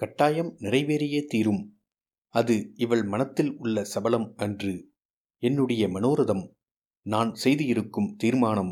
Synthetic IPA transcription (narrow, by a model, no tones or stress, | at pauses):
kɐʈːaːjɐmnɪrɐɪʋeːɾɪjeːt̪iːɾɯm | ɐðɯɪʋɐɭmɐnɐt̪ːɪlʊɭːɐsɐbɐlɐmʔɛndrɯ | ɛnːɯɽɐjɐmɐnoːɾɐðɐm | naːnsɛjðɯjɪɾɯkːɯmt̪iːɾmaːnɐm